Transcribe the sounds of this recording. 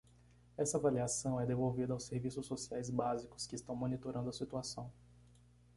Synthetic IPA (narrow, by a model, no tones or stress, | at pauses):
ɛsɐavaliasɐ̃w̃ɛd̪evowvid̪ɐawseɾvisʊsːosiajzbazikʊ̥skɪst̪ɐ̃w̃mõnit̪oɾɐ̃nd̪ʊɐsit̪uasɐ̃w̃